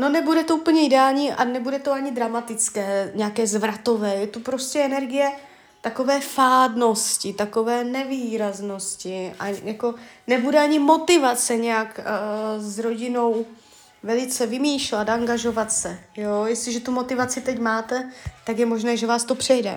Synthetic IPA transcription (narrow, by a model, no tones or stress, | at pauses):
no̞nɛbudɛt̪ouːpl̩ɲɛɪdɛaːlɲiːʔanɛbudɛt̪oaɲɪd̪ɾamat̪ɪt͡skɛːɲɛakɛːzvɾat̪o̞vɛːjɛt̪upɾo̞scɛɛnɛɾɡɪjɛ | t̪ako̞vɛːfaːdno̞scɪt̪ako̞vɛːnɛviːɾazno̞scɪʔa̰jako̞nɛbudɛaɲɪmo̞t̪ɪvatt͡sɛɲɛjakː | zɾo̞ɟɪno̞w | vɛlɪt͡sɛvɪmiːʃlat̪aŋɡaʒo̞vat̪sɛjojɛst̪lɪʒɛt̪umo̞t̪ɪvat͡sɪt̪ɛcmaːt̪ɛt̪akjɛmo̞ʒnɛːʒɛvaːst̪o̞pr̝̥ɛjdɛ̰